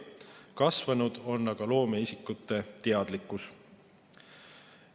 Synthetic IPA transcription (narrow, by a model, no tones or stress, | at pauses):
kɑsvɑnud̪̥o̞nːɑɡ̥ɑlo̞ːmeisikːˑut̪ːˑe̞t̪eɑd̪̥likːˑus